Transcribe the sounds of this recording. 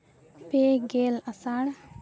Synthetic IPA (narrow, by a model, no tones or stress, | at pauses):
peɡelasaɽ